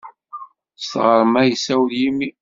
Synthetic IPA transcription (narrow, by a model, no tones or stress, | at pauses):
st̪ʁəɾˤmæjəsæwljimːi